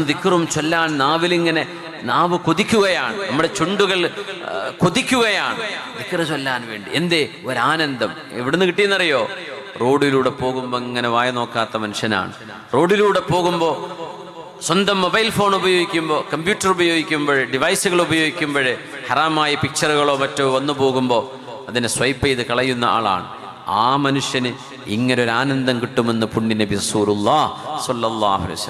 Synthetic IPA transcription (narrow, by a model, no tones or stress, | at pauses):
d̪ikːrumt͡ɕo̞lːaːnnaːʋiliŋːɐne̞ | naːʋɨkuðikʲːuɣɐjaːɳɨnɐmːuɽe̞t͡ɕuɳɖuɣɐɭ | kuðikʲːuɣɐjaːɳɨd̪ikːrɐt͡ɕo̞lːaːnʋe̞ːɳɖḭend̪e | oɾaːnɐnd̪ɐm | ḛʋiɽenːɨkiʈːijunːɐrijo̞ː | ro̞ːɽiluːɽe̞po̞ːɣumboːiŋːɐne̞ʋaːjɐno̞ːkːaːt̪ːɐmɐnuʂɐna̰ːɳɨ | ro̞ːɽiluːɽe̞po̞ːɣumbo̞ː | swɐnd̪ɐmːobɐjlfo̞ːɳubɐjo̞ːɡikʲːumbo̞ːkɐmbjuːtːɐrubɐjo̞ːɡikʲːumbɐɻeɖiʋɐjsuɣɐɭubɐjoːɡikʲːumbɐɻehɐraːmaːjɐpikʂɐruɣɐɭo̞ːmɐtːoːʋɐnːɨpo̞ːɣumbo̞ː | ɐðinɨswɐjpːejðɨkɐɭɐjːunːɐa̰ːɭa̰ːɳɨ̰ | aːmɐnuʂjɐnɨ | ḭŋːɐneoɾaːnɐnd̪ɐmkiʈːume̞nːɨpuɳːinɐbirɐsuːlulˠːaːhsɐlːɐlːaːhṵɐ̰lɐ̰jɐsɐlːɐ